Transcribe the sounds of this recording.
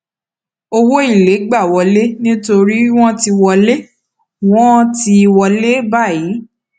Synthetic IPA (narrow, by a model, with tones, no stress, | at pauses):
o˧wo˦i˦˨le˨˦ɡ͡ba˦˨wɔ˨˧le˦nĩ˦to˧ɾi˦w̃ɔ̃˦ti˧wɔ˧le˦ | w̃ɔ̃˦ti˧wɔ˧le˦ba˦˨ji˨˦